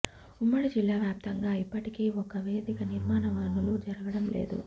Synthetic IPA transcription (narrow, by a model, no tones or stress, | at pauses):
umːɐɽid͡ʒilːaːʋjaːp̚t̪ɐŋɡaːipːɐʈikeːɔkɐʋeːd̪ikɐniɾmaːnɐʋaːnulud͡ʒɐɾɐɡɐɽɐmlḛːd̪ṵ